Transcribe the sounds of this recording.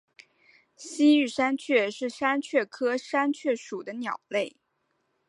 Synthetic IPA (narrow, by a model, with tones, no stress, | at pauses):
ɕi˥y˥˩ʂa˥nt͡ɕʰɥɛ˥˧ʂɻ̩˥˩ʂa˥nt͡ɕʰɥɛ˥˩kʰɤ˥ʂa˥nt͡ɕʰɥɛ˥˩ʂu˨˩d̪ə˦njɑ˨˩ʊle˥˩ɪ